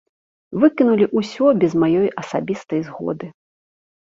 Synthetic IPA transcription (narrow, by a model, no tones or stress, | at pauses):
vɨkʲinulʲiʔusʲɔbʲɛzmajɔjʔɐsabʲist̪ɐjzɣɔ̰d̪ɨ